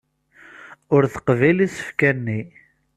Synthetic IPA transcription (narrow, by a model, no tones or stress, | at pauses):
ʊɾθə̥qvilisə̥fkænːi